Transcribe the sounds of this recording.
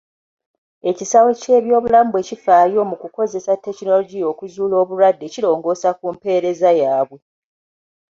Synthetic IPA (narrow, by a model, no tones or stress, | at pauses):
e̞cisawe̞ce̞ːβjo̞ːβulaːmbwe̞ːcifaːjo̞ːmukuko̞ze̞satːe̞kino̞lo̞ɟio̞ːkuzuːlo̞ːβuɾwadːe̞cilo̞ːŋɡo̞ːsakumpe̞ːɾe̞zajaːβwe̞